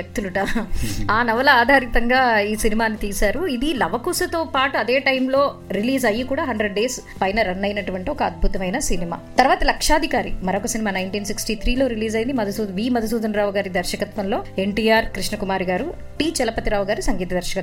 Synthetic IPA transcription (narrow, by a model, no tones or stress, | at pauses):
jɐk̚t̪uluʈaaːnɐʋɐlɐaːd̪ʱaːɾit̪ɐŋɡaːiːsinimaːnit̪iːsaːɾuid̪ilɐʋɐkuːsɐt̪oːpaːʈuɐd̪e̞ːʈɐjmlo̞ː | ɾiliːzɐjːikuːɽaːɦɐɳɖɾeɖɖeːs | pɐjnɐɾɐnːɐjnɐʈuʋɐɳʈiɔkɐɐd̪̚bʱut̪ɐmɐjnɐsinima̰ːt̪ɐɾʋaːt̪ɐlɐkʂaːd̪ʱikaːɾḭmɐɾokɐsinimaːnɐjɳʈiːnsiksʈiːt̪ʰɾiːlo̞ːɾiliːzɐjind̪imɐd̪ʱɐsuːd̪ʋiːmɐd̪ʱɐs̬uːd̪ɐnɾaːʋuɡaːɾid̪ɐɾʃɐkɐt̪ʋɐnlo̞ːe̞ɳʈiːjaːɾkɾiʂnɐkumaːɾiɡaːɾu | ʈiːt͡ʃɛlɐpɐt̪iɾaːʋuɡaːɾisɐŋɡiːt̪ɐd̪ɐɾʃɐkɐt̪